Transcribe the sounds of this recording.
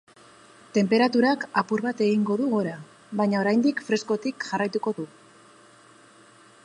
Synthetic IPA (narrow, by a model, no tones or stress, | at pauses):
t̪e̞mpe̞ɾat̪uɾakapuɾβat̪e̞ɣiŋɡo̞ðuɣoɾa | βaɲao̞ɾajnd̪ikfɾe̞sko̞t̪ikʝarajt̪uko̞ðu